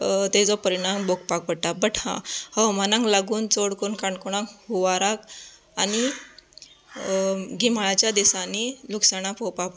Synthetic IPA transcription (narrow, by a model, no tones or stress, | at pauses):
t̪ed͡zɔpəɾiɽ̃ambokpak̚pəɽʈ̪abəʈhã̰həwmanãŋklaɡuːnt͡soɽkonkaɳɖkuɽ̃ãŋkhuʋaɾak | ani | ɡimaɭat͡ɕjad̪isaniluksaɽ̃apowpap